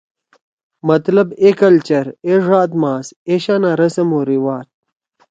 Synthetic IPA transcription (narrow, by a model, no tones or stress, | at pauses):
mɐt̪lɐbekɐlt͡ɕɐɾeʐaːd̪maːseɕanaɾɐsɐmoːɾiwaːt̪̚